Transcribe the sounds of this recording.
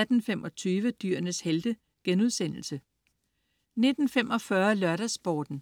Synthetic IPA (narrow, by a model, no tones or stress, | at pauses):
æd̥n̩femɒ̽t͡sʰyːʋəd̥yɐ̰nəsheld̥ə | ɡ̥enuðˠsen̰l̩sə | ne̝d̥n̩femɒ̽fɶɐlɶɐɾ̥æsb̥ɒːd̥n̩